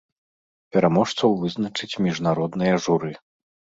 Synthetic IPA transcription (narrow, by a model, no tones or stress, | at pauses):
pʲɛɾamɔʂt̪sɐwvɨznɐt͡ʂɨt͡sʲmʲiʐnaɾɔd̪nɨjɐʐuɾɨ